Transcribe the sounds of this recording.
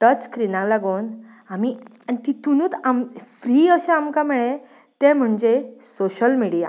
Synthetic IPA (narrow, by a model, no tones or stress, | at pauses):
ʈət͡skɾinãlaɡon | amiait̪it̪unuːt̪amfɾiːəɕeamkamɛɭẽ | t̪em̤əɳd͡ʑesoɕəlmiɽija̰